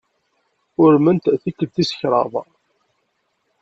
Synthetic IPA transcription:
ʊɾmənt̪θikːəb̚θisə̥çɾˤɑ̰ðˤ

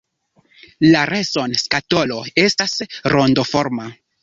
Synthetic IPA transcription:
laɾeso̞nskato̞lo̞e̞stasɾondo̞fo̞ɾma

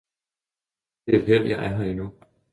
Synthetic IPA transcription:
d̥eæ̥ɦel̰jɑ̈ʔæɐɦɑinu

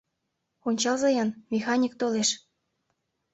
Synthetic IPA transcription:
onʲt͡ɕɑlzɑjɑnmʲexɑnʲik̚t̪oleʃ

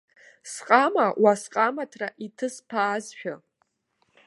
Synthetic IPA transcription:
sqʼamawasqʼamatʰraʔitʰɨspʰaːzʃᶣa

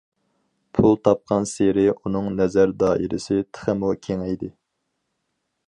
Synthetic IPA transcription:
pʰulˠt̪ʰɑp̚qʰɑnseɾɪʔunɨŋnɛzæɾd̪ɑːʔiɾɪ̰sɪt̪ʰə̥χəmukʲʰeŋɛjd̪ɪ

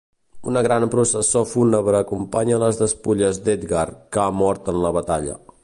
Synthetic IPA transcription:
unəɣɾanpɾusəsofunəβəɾəkumpaɲələzðəspuʎəzd̪ed̪ɡarkamɔɾt̪ənləβət̪aʎə̰

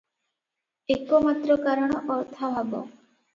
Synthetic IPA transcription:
ekomat̪ɾɔkaɾɔɽ̃ɔʔɔɾt̪ʰabʱabɔ̰

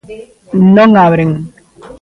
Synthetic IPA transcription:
noŋawɾiŋ

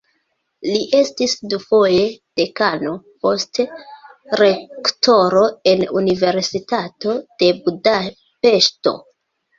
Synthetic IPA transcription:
liʔe̞stisdufo̞je̞d̥e̞kano̞po̞st | ɾe̞ktʰo̞ɾo̞e̞nunive̞ɾsitato̞d̥e̞buda | pe̞ʃto̞̰

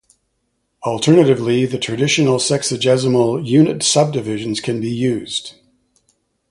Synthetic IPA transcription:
əl̩ˠtʰɜ˞nɨɾɨvliðɨtʰɹ̥ɨdɪʃɨnl̩ˠsɛksɨd͡ʒɛzəml̩ˠjʉnɨtsʌb̚dɨvɪʒɨ̃n̩z̥kʰɨ̃nbijʉz̥d̥

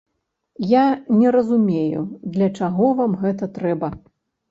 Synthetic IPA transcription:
janʲɛɾɐzumʲejṵd̪lʲɐt͡ʂaɣɔvamɣɛt̪ɐt̪ɾɛbɐ

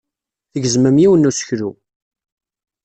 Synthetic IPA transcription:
θəɡəzməmjiwənːusə̥çɾu

